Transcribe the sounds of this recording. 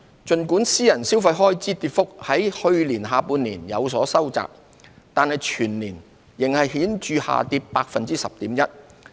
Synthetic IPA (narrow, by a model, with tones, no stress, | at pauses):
t͡ʃɵ˨nkuː˨˥nsiː˥jɐ˨˩nsi˥wfɐ˧jɦɔː˥jt͡siː˥t̪iː˧t̚fʊ˥k̚hɐ˨˥jhɵ˧ɥliː˨˩nɦaː˨˧puː˨˧nliː˨˩njɐ˨˧wsɔː˨˥sɐ˥wt͡sa̰ː˨k̚ | t̪aː˨nhɐ˨jt͡ʃʰyː˨˩nliː˨˩n | jɪ˨˩ŋhɐ˨jhiː˨˥nt͡ʃyː˧ha̰ː˨t̪iː˧p̚paː˧k̚fɐ˨nt͡siː˥sɐ˨p̚t̪iː˨˥mjɐ˥t̚